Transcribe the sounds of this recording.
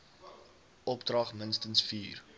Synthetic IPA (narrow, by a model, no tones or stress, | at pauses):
ʔɔpdrɐχmənstənsfiːr